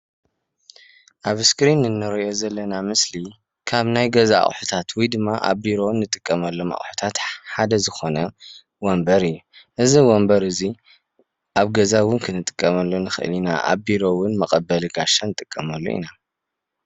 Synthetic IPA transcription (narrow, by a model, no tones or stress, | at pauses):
ʔaβskɾinːɨnːɨɾɐjo̞zɐlːɐnamɨsli | kʰaβnajɡɐzaa̰ʔʼħut̪ʰat̪wijd̪ɨmːaʔa̰βbiɾo̞nːɨt̪ʼɨkʼːɐmɐlːoma̰ʔʼħu̥t̪ʰat̪ħad̪ɐzɨxo̞nɐ | wɔmbɐɾɨjːuʔɨziwɔmbɐɾɨzi | ʔaβɡɐzawʊnkʰɨnɨt̪ʼɨ̥kʼːɐmɐlːonɨxɨ̰ʔɨ̰lina̰ʔa̰βbiɾo̞wʊnmɐkʼɐbːɐlɨɡaʃanɨt̪ʼɨkʼːɐmɐlːo̰ʔḭna